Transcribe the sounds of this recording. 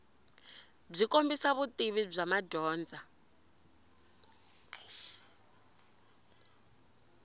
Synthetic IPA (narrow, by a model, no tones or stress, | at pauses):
b͡ʐʷikʼombisaβutʼiβib͡ʐʷamaɟʱɔːnd͡zʱa